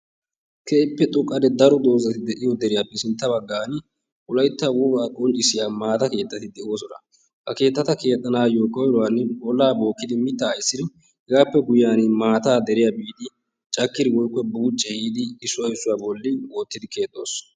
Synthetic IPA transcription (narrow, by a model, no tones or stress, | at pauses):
kʰeːpːɛt̪ʼʊkʼːɐd̪ɛd̪ɐɾɔd̪o̞ːzɐt̪ɪd̪ɛʔɪjɔd̪ɛɾɪjapːɛsɪnt̪ːɐbɐɡːaːn | ʔʊlɐjt̪ːɐwɔbaːkʼɔnt͡ʃʼɪsɪjaːmaːt̪ɐke̞ːt̪ːɐt̪ɪd̪ɛʔo̞ːsɔnɐ̰ | hɐke̞ːt̪ːɐt̪ɐke̞ːt̪ʼːɐnaːjoːkɔjɾɔwanɔlːaːbo̞ːkːɪd̪ɪmɪt̪ːaːjɪsːɪd̪ɪ | hɪɡaːpːɛɡʊjːaːnmaːt̪aːd̪ɛɾɪjabiːd̪ɪ | t͡ʃʼɐkːɪd̪ɪwɔjkːɔbuːt͡ʃʼːɛhiːd̪ɪːsːʊwɐɪsːʊwaːbɔlːɪwoːt̪ːɪd̪ɪke̞ːt̪ʼːo̞ːs